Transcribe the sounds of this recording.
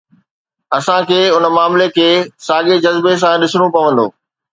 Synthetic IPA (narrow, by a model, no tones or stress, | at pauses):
ɐsãkʰeːʊnə̆maːmlekʰeːsaːɠed͡ʑɐzbes̬ãɗɪsəɽ̃opɐʋə̃nd̪o̰ː